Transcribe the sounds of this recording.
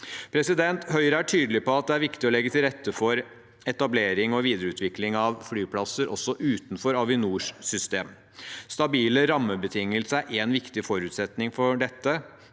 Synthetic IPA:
pʰɾɛsɪd̪ɛnt̪hœʏɾəæʈʰyːd̪lɪpɔɑt̪̚d̪ɛæɾʋɪkt̪ɪɔlɛɡːət̪ʰɪlɾɛt̪ːəfɔɾ | ɛt̪ɑbleːɾɪŋɔʋiːd̪əɾəʉːt̪ʰʋɪklɪŋɑʋflyːpʰlɑsːəɾʔɔ̰sːɔʔʉːt̪nfɔɾɑʋɪnuːʂsʏst̪eːm | st̪ɑbiːləɾɑmːəbət̪ʰɪŋːəlsəæɾʔeːnʋɪkt̪ɪfɔɾʉːt̪sɛt̪nɪŋfɔɖɛt̪ːə

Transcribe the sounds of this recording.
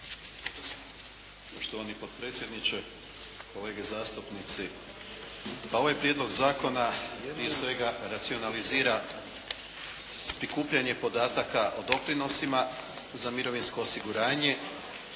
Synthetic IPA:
poʃt̪oʋanipo̞t̪̚pɾe̞ːt̪sʲjed̪nit͡ʃe | ko̞le̞ːɡezaːst̪upnit̪si | pao̞ʋajpɾje̞d̪lo̞ɡzaːko̞napɾije̞sʋe̞ɡaɾat̪sio̞naliziːɾa | pɾikuːpʎaɲe̞po̞d̪aːt̪akaʔod̪o̞pɾino̞simazamiɾo̞ʋinsko̞ːsiɡuɾaːɲe̞

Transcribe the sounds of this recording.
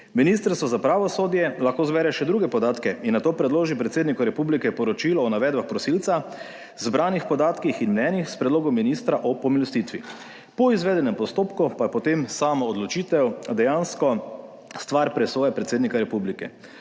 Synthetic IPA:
minist̪əɾst̪ʋɔzapɾaːʋɔsoːd̪jɛlaxkoːzbɛɾɛʃɛd̪ɾuɡɛpɔd̪aːt̪kɛinːat̪oːpɾɛd̪loːʒipɾɛt̪seːd̪nikɔɾɛpublikɛpɔɾɔt͡ʃiːlɔːnaʋɛːd̪baxpɾɔsilt̪sa | zbɾaːnixpɔd̪aːt̪kixinmnɛːnixspɾɛd̪loːɡɔmːinist̪ɾaʔɔpɔmilɔst̪it̪ʋi | pɔizʋɛːd̪ɛnɛmpɔst̪oːpkupapɔt̪emsaːmɔːd̪lɔt͡ʃiːt̪ɛwd̪ɛjanskɔ | st̪ʋaɾpɾɛsoːjɛpɾɛt̪seːd̪nikaɾɛpublikɛ

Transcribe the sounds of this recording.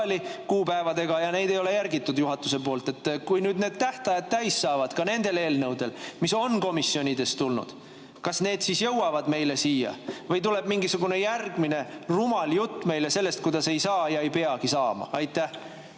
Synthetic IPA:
likuːpæevɑd̪e̞ɡ̥ɑjɑne̞jd̪e̞jo̞le̞jærɡit̪ːˑud̪̥juɦɑt̪ːˑuse̞po̞ːlt̪e̞t̪ːˑkujnyːd̪ne̞ːd̪̥̚t̪æht̪ɑjɑd̪̚t̪æjsːɑːvɑd̪̥kɑne̞nd̪̥e̞le̞ːlnɤwd̪̥e̞lmiso̞nko̞misːio̞nʲid̪̥e̞st̪ulnṵd̪̥ | kɑsne̞ːd̪̥sisjɤwwɑvɑd̪me̞jle̞siːjɑ̰vɤjt̪̬ule̞b̥miŋɡisuɡune̞jærɡ̥mine̞rumɑljut̪ˑːme̞jle̞se̞lːe̞st̪̚kujd̪̥ɑse̞jsɑːjɑe̞jpe̞ɑkisɑːmɑ̰ɑjt̪ːˑæh

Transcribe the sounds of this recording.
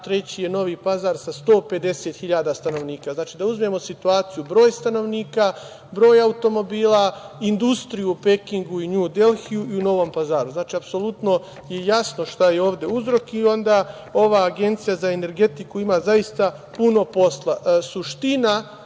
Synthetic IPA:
t̪ɾe̞t͡ɕije̞no̞ʋiːpazaɾsast̪o̞ːpe̞d̪e̞set̪xiʎaːd̪ast̪ano̞ʋniːkaznaːt͡ʃiːd̪auzmemo̞sit̪uaːt̪sijubɾo̞ːjst̪ano̞ʋniːka | bɾo̞ːjaut̪o̞mo̞biːlˠaind̪ust̪ɾijuːpe̞kiŋɡuiɲud̪e̞lxijuiuno̞ʋo̞mpazaːɾuznaːt͡ʃiːapso̞lˠut̪no̞ | jejasno̞ʃt̪ajeo̞ːʋd̪e̞uzɾo̞kio̞nd̪a | o̞ʋaːɡe̞nt̪sijazae̞ne̞ɾɡe̞t̪ikuimazaist̪a | puno̞po̞slˠasuʃt̪ina

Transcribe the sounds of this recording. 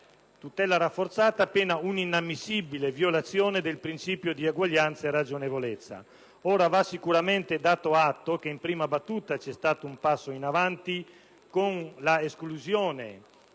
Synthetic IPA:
t̪ut̪ɛlaɾafːoɾt̪saːt̪aːpːeːnauninamːisːibilevjolat̪sːjɔːned̪elpɾint͡ʃiːpjod̪iaɡwaʎːant̪saerad͡ʒonevolet̪sːa̰ | ɔːɾavasːikuɾamɛnt̪ed̪aːt̪oat̪ːokeimpɾiːmabat̪ːuːt̪at͡ʃɛst̪aːt̪oumpasːoinavant̪i | konlaeskluzjɔːnḛ

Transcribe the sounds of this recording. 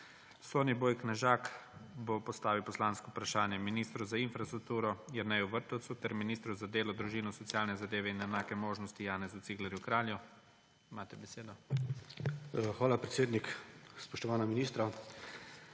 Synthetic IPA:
soːniboːjknaʒaːkbopɔst̪aːʋiwpɔslaːnskɔwpɾaʃaːnjɛminiːst̪ɾɔzainfɾast̪ɾuk̚t̪uːɾɔjɛɾnɛjuʋəɾt̪ɔwt̪sut̪ɛɾminiːst̪ɾɔzad̪eːlɔd̪ɾuʒiːnɔsɔt̪sjaːlnɛzad̪eːʋɛinɛnaːkɛmoːʒnɔst̪ijaːnɛzut̪siɡlɛɾjukɾaːlju | imaːt̪ɛbɛseːd̪ɔ | xʋaːlapɾɛt̪seːd̪nikspɔʃt̪ɔʋaːnaminiːst̪ɾa

